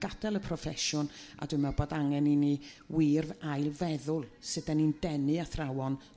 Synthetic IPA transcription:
ɡ̥ad̥ɛlˠəpʰrɔfɛʃʊna̰dʊmɛboːdaŋɛnini | wiːrvajlˠvɛðʊlˠsɨdanindɛnɨaθrawɔn

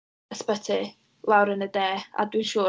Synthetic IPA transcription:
əspətʰi | lˠawɾənədɛːa̰dwinʃuː

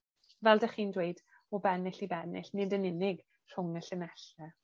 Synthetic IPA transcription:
vɛlˠdaχiːndwejd | ɔbɛnɪɬibɛnɪ̰ɬnɪdənɪnɪɡ | r̥ʊŋəɬənɛɬɛ

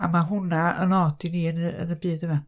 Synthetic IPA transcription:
amaɦʊnaə̰nɔːd̥ɪniənəə̰nəbiːd̪əma

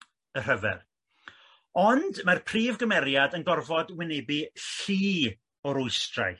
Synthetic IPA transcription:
əɦəvɛ̰r | ɔndmarpʰriːvɡəmɛɾjadənɡɔrvɔdwɪnɪbiɬiː | ɔɾʊɨstra̰j

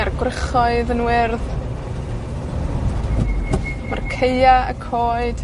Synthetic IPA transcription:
arɡwrɪχɔɨðənwɪrð | markʰejaə̰kʰoːɨd̥

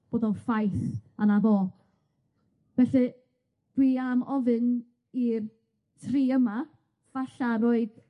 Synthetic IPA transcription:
b̥oːdɔnfajθanaðoː | vɛɬɛ | d̥wiamɔvɨn | ir | tʰriːəma | v̥aɬaɾoɨd̥

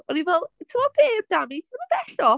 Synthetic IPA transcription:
ɔnivɛlˠtʰəmɔbeːb̚d̥amitʰəməb̥ɛɬɔ

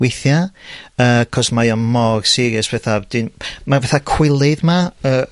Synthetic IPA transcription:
ɪθjaəkʰɔsmajɔnmɔrsɪɾɨspɛθavd̥ɪnmavɛθakʰw̥ɪlˠɨðmaəː

